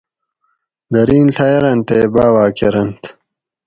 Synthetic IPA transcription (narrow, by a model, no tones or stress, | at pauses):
d̪ɐɾiːnɬʰɐjɐɾɐnt̪eːbaːwaːkeɾɐnt̪